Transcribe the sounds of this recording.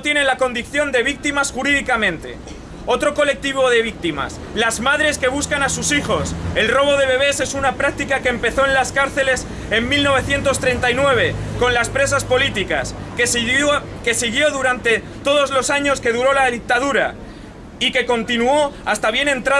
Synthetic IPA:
t̪je̞ne̞nlako̞nd̪iθjo̞nd̪e̞β̞ik̚t̪imasxuɾiðikamẽnt̪e̞̰ | o̞t̪ɾo̞ko̞le̞k̚t̪iβ̞o̞ð̞e̞β̞ik̚t̪ima̰s | lazmaðɾe̞ske̞β̞uskanasusixo̞se̞lro̞βo̞ð̞e̞βe̞β̞e̞se̞sunapɾak̚t̪ikake̞ːmpe̞θo̞enlaskaɾθe̞le̞s | e̞mmilno̞β̞e̞θje̞nt̪o̞st̪ɾe̞nt̪ajnwe̞β̞e̞ko̞nlaspɾe̞s̬aspo̞lit̪ikas | ke̞siɣjo̞ðuɾant̪e̞ | t̪o̞ð̞o̞zlo̞saɲo̞ske̞ð̞uɾo̞laðik̚t̪aðuɾa̰ | ike̞ko̞nt̪inuo̞ast̪aβje̞nẽ̞nt̪ɾa

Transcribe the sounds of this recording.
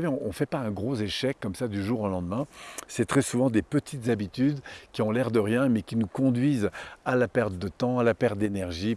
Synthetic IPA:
veɔ̃ʔɔ̃fɛpaɛ̃ɡʁozeʃɛkːɔmsad̪yʒuʁolɑ̃d̪mɛ̃sɛt̪χɛsuvɑ̃d̪epət̪ʰit̪zabit̪yd̪kʲiɔ̃lɛʁd̪əʁjɛ̃mɛkʲinukɔ̃d̪ɥizalapɛʁt̪̚d̪ət̪ɑ̃alapɛʁt̪̚d̪enɛʁʒi

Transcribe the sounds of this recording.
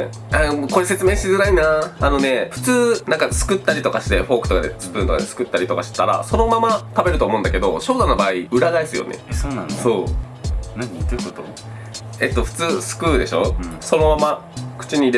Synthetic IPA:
amoko̞ɾese̞t͡sɨmeːɕi̥t̪ezɨɾainaano̞ne̞ɸɯ̟̥t͡sɨːnãŋkasɨ̥kɯ̟t̪ːaɾʲit̪o̞kaɕi̥t̪e̞ɸo̞ːkɯ̟t̪okad̪ḛsɨ̥pɯ̟̃nt̪o̞ka̰d̪e̞sɨ̥kɯ̟t̪ːaɾit̪o̞kaɕi̥t̪aɾa̰so̞no̞mamat̪abe̞ɾɯ̟t̪oːmo̞ɯ̃nd̪a̰ke̞d̪o̞ɕo̞ːd̪anobaːiɯ̟ɾaɡaisɨjo̰nḛsoːnãnso̞ː | ot̪o | e̞t̪ːo̞ɸɯ̟̥t͡sɨːsɨ̥kɯ̟ːd̪e̞ɕo̞so̞no̞mamakɯ̟̥t͡ɕiɲ̟ie

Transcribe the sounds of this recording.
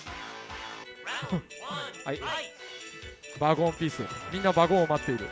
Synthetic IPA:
hai | baɡõmpʲiːsɨmʲĩnːabaɡõomat̪ːe̞iɾɯ̟̰

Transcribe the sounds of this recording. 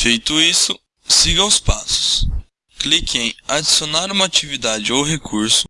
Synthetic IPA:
fejt̪ʊisʊ | siɡɐ̃ʊspasʊ̥s | klikẽj̃ad͡ʒisionaɾũmɐat͡ʃivid̪ad͡ʒɪowɦekʰuɾsʊ̥

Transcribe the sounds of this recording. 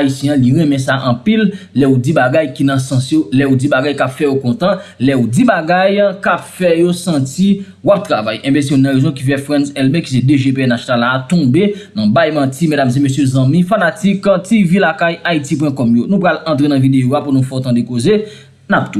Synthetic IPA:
aisjɛ̃ãliɣɛ̃mɛ̃s̬aʔɐ̃pilːɛud͡zibaɡajkinɐ̃sɐ̃sjolɛud͡zibaɡajkapfɛjokɔ̃t̪ãlɛud͡zibaɡajkapfɛjosɐ̃ti | wap̚t̪ɣavajɛ̃bɛs̬jonːɐ̃ɣezɔ̃k̬ifɛfʁɛ̃nsɛlbeki̥s̬edeʒepeɛnasjonalaːt̪ɔ̃benɐ̃bajmãtimɛdamzẽmøsjøzɐ̃mĩfanatiktivilakajaitip̬wɛ̃kɔmjonũpɣalɐ̃t̪ʁenɐ̃videoapunũfɔt̪ãdekoze | nap̚t̪u

